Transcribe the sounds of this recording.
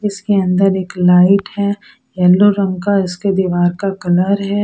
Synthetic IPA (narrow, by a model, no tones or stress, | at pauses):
ɪskeɐ̃nd̪əɾeːklaːɪʈɦɛ | jɛlːoɾɐ̃ŋɡkaɪsked̪iʋaːɾkakɐləɾɦɛ